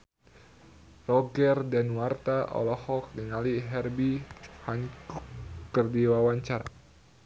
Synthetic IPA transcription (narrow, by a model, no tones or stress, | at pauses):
rɔɡɛrdɛnwart̪aʔɔ̰lɔhɔk̚niŋaliɦɛrbihaŋkukərdiwawaɲt͡ʃaɾa̰